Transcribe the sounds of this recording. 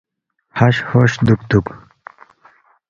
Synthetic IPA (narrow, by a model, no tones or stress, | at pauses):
haɕhoɕd̪ukt̪uk